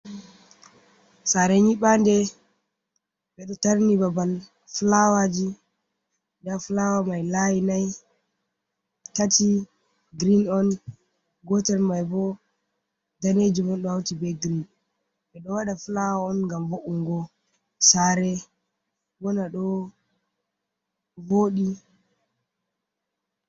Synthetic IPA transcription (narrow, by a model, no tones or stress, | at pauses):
saɾɛɲiɓandɛ | ɓɛɗɔtaɾnibabal | flawad͡ʒi | daflawamajlajinaj | tati | ɡɾinɔn | ɡɔtɛlmajbɔ | daned͡ʒumɔnɗɔawtibɛɡɾin | bɛɗɔwaɗaflawaɔnŋɡamboʔuŋɡɔ | saɾɛ | wɔnaɗɔ | voɗi